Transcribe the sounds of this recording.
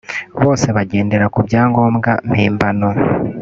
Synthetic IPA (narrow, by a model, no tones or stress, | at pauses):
βo̞ːse̞βaɟe̞ːnde̞ɾakubjaːŋɡo̞ːmɡam̥iːmbano̞